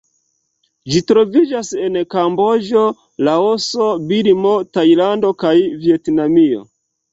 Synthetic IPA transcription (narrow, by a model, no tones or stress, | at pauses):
d͡ʒitɾo̞vid͡ʒase̞nkambo̞d͡ʒo̞ | laoso̞bilmo̞tajlando̞kajvie̞tnamio̞̰